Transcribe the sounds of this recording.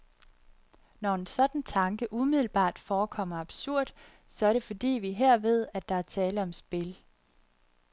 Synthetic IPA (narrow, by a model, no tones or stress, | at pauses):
nɒe̝nsɒ̽d̥n̩t͡sʰɑ̈ŋɡ̥əʔumið̰ˠl̩b̥ɑ̰̈ːd̥fɒːkʰɒ̽m̰ɐɑb̥suɐ̰d̥ | sɒ̽æɐɾe̝fɒ̽d̥ḭːʋiɦeɐ̰ʋe̝ð̞̰ˠæd̥ɑ̈æɐt͡sʰɛːləɒ̽msb̥e̝l